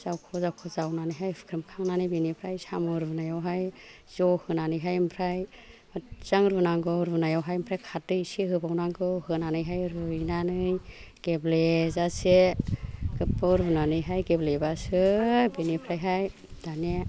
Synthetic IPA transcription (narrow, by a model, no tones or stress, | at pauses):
z̥awkʰɔzawkʰɔzawnanɯjɦajɯ̥kʰɾɯmkʰaŋnanɯjbenipʰɾajsamɯɾbɯnajawɦaj | z̥ɔhɯnanɯjɦajmpʰɾaj | mɯtz̥aŋɾɯnaŋɡɯɾbunajawɦajmpʰɾajkʰat̚dɯjsiɦɯbawnaŋɡɯhɯnanɯjɦajɾɯnanɯjɡ̥eblezase | kɯpːɯɾbunanɯjɦajɡeblebasɯbenipʰɾajɦaj | d̥ane